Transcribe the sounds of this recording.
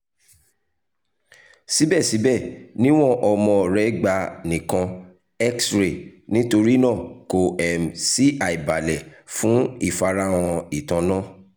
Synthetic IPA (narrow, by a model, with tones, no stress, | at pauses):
si˨˦bɛ˦˨si˨˦bɛ˦˨nĩ˦w̃ɔ̃˦ʔɔ˧mɔ̃˧˨ɾɛ˨˦ɡ͡ba˧˦nĩ˨kã˧ | ɛ˦ksɾe˨nĩ˦to˧ɾi˦nãː˦˨ko˨ɛ˨msi˦ʔa˨i˨ba˨lɛ˨fũ˨˦i˦˨fa˧ɾa˧˦w̃ɔ̃˧i˨tã˧nã˦˨